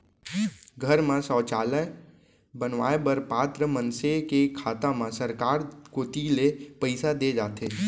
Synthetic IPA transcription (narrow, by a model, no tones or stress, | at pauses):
ɡʱəɾmãsɔːt͡ʃaːlə | bənʋaːebəɾpaːt̪ɾəmə̃nsekekʰaːt̪amãsəɾkaːɾkoːt̪ilepəɪsad̪ed͡ʒaːt̪eː